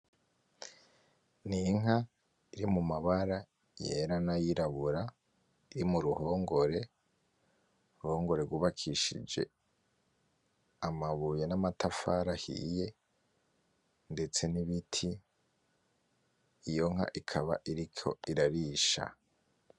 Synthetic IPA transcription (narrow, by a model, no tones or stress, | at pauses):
niŋɦa | iɾimumaβaɾa | je̞̰ɾanajiɾaβuɾa | iɾimuɾuho̞ːŋɡo̞ɾe̞ | ɾuho̞ːŋɡo̞ɾe̞ɡuːβakʰiʃḭd͡ʒe̞̰ | amaβuje̞namatʰafaɾahḭje̞ | nde̞t͡se̞niβitʰi | ijo̞ŋ̥a̰ʔikʰaβa̰ʔiɾikʰo̞̰iɾaɾiʃa̰